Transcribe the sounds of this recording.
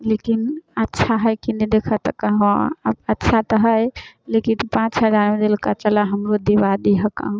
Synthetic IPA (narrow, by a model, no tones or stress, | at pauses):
lekinətːʃʰaɦəjkined̪ekʰət̪əkəɦõə̰bətːʃʰat̪əɦəjlekinpãt͡ʃɦəd͡ʒaɾmed̪ilkat͡ʃəlaɦəmɾod̪ibad̪iɦəka̰ɦ